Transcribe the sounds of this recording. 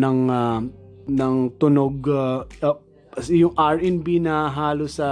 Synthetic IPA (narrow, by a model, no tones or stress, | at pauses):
nɐŋanɐŋt̪ʊnoɡ | sɪjʊŋʔaɹʔɛnbinɐɦaːlosɐ